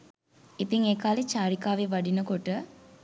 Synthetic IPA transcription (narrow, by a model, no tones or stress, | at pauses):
it̪iŋeːkaːlet͡ʃaːɾikaːʋeʋaɖinəkoʈə